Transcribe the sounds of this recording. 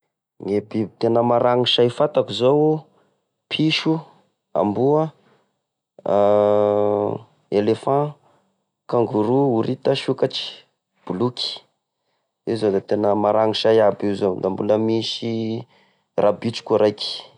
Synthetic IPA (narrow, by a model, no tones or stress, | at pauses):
ŋebit̪enəmaɾaŋiʃaifat̪akuzow | pʰiʃu | a̰mbuə | elefã | kãŋɡuɾuuɾit̪əʃukaʈ͡ʂi̥ | b̥ulukʲi̥ | izod̪at̪enəmaɾaŋiʃajabizod̪ambuləmiʃi | rʔabit͡ʃi̥kʲuɾajki̥